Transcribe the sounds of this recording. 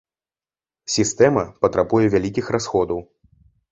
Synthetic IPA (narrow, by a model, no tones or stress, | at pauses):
sʲist̪ɛmɐpɐt̪ɾabujɛvʲalʲikʲixrasxɔd̪ɐw